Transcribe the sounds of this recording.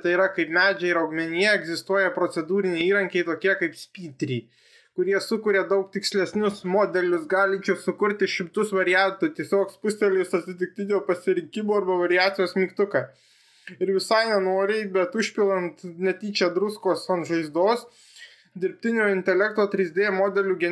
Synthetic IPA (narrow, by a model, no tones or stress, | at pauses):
t̪ɐɪiɾɐkɐɪpmʲæːd͡ʒʲɛɪɾɐʊɡmʲɛnʲɪjɛɛɡzʲɪst̪uɔjɛpɾoːt̪sʲɛd̪uːɾʲɪnʲɛɪiːɾɐŋʲkʲɛɪt̪oːkʲiɛkɐɪpsʲpʲiːt̪ʲɾʲiː | kʊɾʲiɛsʊkʊɾʲed̪ɐʊkt̪ʲɪksʲlʲɛsʲnʲʊsmoːd̪ʲɛlʲʊsɡɑːlʲɪt͡ʃʲɛːsʊkʊɾʲt̪ʲɪʃʲɪmt̪ʊsʋɐɾʲɪjænt̪ʊt̪ʲiɛsʲoːkspʊsʲt̪ʲɛlʲɪsɐt̪ʲsʲɪt̪ʲɪk̚t̪ʲɪd̪ʲeːlˠpɐsʲɪɾʲɪŋʲkʲɪmuːɐɾbɐʋɐɾʲɪjæːt̪sʲɪjoːsmʲiːkt̪ʊkɑ | ɪɾʋʲɪsɑɪnʲɛnoːɾʲɪbʲɛt̪ʊʃʲpʲɪlˠɐnt̪nʲɛt̪ʲiːt͡ʃʲɛd̪ɾʊskoːsɐnʒɐɪzd̪oːs | d̪ʲɪɾʲpʲt̪ʲɪnʲoːɪnʲt̪ʲɛlʲɛkt̪oːt̪ʲɾʲɪzʲd̪ʲeːɛmoːd̪ʲɛlʲuːɡʲɛ